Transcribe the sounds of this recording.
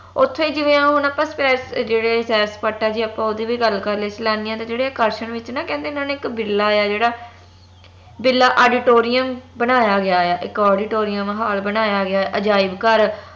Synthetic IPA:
ʊt̪ʰːõːiːd͡ʒɪʋẽːãːɦʊnaːpãːspɛːɾsd͡ʒeːɽeːsɛːɾspəːʈːaːd͡ʒiːaːpãːod̪iːʋiːɡəlːkəɾleːt͡ʃəlaːniãːt̪ãːd͡ʒeːɽeːkəɾʃəɳʋɪt͡ʃnãːkɛ̃ːnd̪eːʊnaːneːɪkbɪlːaːjaːd͡ʒeːɽaː | bɪlːaːʔoːɖɪʈoːɾɪjəmbənaːjaːɡɪaːjaːʔɪkɔːɖɪʈoːɾɪjəmɦaːlbənaːjaːɡɪaːɛʔəd͡ʒaːɪbkəɾ

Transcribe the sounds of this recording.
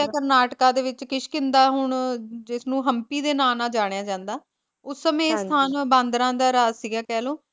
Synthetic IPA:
akəɾnaːʈkãːd̪eːʋɪt͡ʃkɪʃkɪ̃nd̪aːɦʊɳd͡ʒɪsnũːɦəmpiːd̪eːnaːnãːd͡ʒaːɽ̃ejaːd͡ʒãːnd̪aː | ʊsːəmẽːst̪ʰaːnbãːnd̪ɾãːd̪aːɾaːzsiːɡaːkɛːlõː

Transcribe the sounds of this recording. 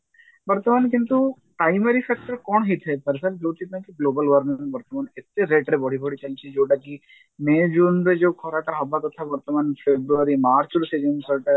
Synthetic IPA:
bɐɾt̪əmaːnkɪ̃nt̪u | pɾaːɪmeɾifʰɛk̚ʈəɾkɔːnɦit̪ʰepɐɾsɐld͡ʒoːt͡ʃʰit̪nãkiɡloːbəlʋəɾnɪ̃ŋbɐɾt̪əmaːnɪt̪ːeɾeːʈɾebɔːɽ̤ibɔɽit͡ʃɐlt͡ʃʰid͡ʒoːɖaki | meːd͡ʒuːnbed͡ʒoːkʰɔːɾaːʈaɦɐbak̪ot̪ʰabɐɾt̪əmanfʰebɾuəɾimaːɾt͡ʃʊɾsed͡ʒənsəʈ

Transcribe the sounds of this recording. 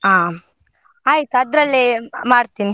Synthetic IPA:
ɦaː | aːjit̪uɐd̪ɾɐlːimaːɽt̪iːni

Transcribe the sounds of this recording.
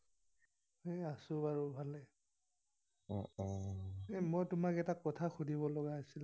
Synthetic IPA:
easʊbaɹubʱalɛ | ɔɔ | mojtʊmakɛtakːɔtʰaxudʱibɔlɔɡaasil

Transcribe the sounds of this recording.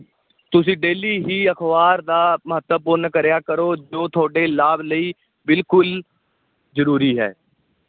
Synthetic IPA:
t̪ʊsĩːɖeːliːɦiːəkʰʋaːɾd̪aːməɦət̪əbpʊnkəɾjaːkəɾoːd͡ʒoːt̪ʰʊoaːɖeːlaːbləiː | bɪlkʊl | zəɾuːɾiːɦɛ̰ː

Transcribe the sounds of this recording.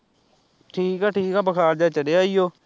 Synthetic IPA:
ʈʰiːkaːʈʰiːkaːbəkʰaːɾd͡ʒaːt͡ʃəɽeːaːiːjoː

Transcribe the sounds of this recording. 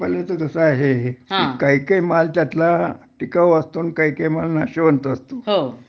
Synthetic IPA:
pəlet̪əkəsəaɦeɦeaikaɦikaimalt̪jat̪laʈikaʋəst̪oːnkaikaimalnaɕeʋənt̪əst̪oɦo

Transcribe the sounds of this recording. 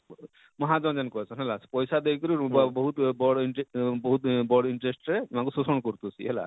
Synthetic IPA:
mɔɦad͡ʒɔnd͡ʒankɔsʰɔnɦɛlaspɔjsad̪ekkɔɾiɾbbɔɦut̪bɔɽiɳʈebɔɦut̪bɔɖiɳʈɾesʈɾeimakususɔɳkɔɾt̪usiɦɛla̰

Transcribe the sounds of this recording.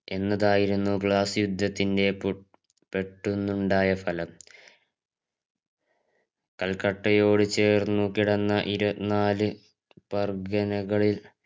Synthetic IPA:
e̞nːɐðaːjiɾunːupɭaːsjud̪ʱːɐt̪ːinde̞p | pe̞ʈːunːuɳɖaːjɐfɐlɐm | kɐlkɐʈːɐjo̞ːɽɨt͡ɕe̞ːrnukiɽɐnːɐʔiɾɐnaːlɨ | pɐrɡɐnɐɣɐɭil

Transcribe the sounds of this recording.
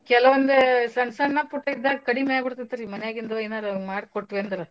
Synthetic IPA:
kɛlɐʋɐnd̪esɐnsɐɳnɐpuʈːɐid̪ːaːɡɐkɐɽimeabiɽt̪it̪ːaɾimɐnjaːɡind̪ɐeːnaːɾɐmaːɽkoʈːʋeɐnd̪ɐɾɐ

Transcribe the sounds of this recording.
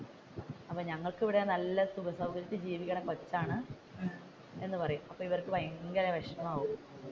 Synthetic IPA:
ɐpːoːɲɐŋːɐɭkeʋiɽenɐlːɐt̪uɡɐsɐwɡɐɾjɐt̪ːɨd͡ʑiːʋikʲːɐɳekot͡ɕːaːɳɨ | e̞nːɨpɐrɐjumɐpːoːiʋɐrkːɨpɐjɐŋɡɐɾɐʋɐʂnɐmaːɣum

